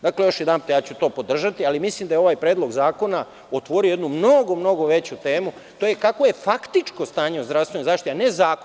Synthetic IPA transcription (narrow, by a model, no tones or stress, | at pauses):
d̪akle̞jo̞ʃjed̪anpjaːt͡ɕut̪o̞ːpo̞d̪r̩ʒat̪ialimislimd̪ajeo̞ʋaːjpɾeːd̪lˠo̞ɡzaːko̞na | ot̪ʋo̞ɾioje̞d̪numno̞ɡo̞mno̞ɡo̞ʋe̞t͡ɕut̪eːmu | t̪oːjekakʋo̞je̞fakt̪it͡ʃko̞st̪aːɲeuzd̪ɾafsʋenozaːʃt̪ianezaːko